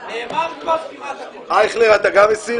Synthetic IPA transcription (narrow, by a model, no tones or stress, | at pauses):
ajχleʁat̪aɡamesi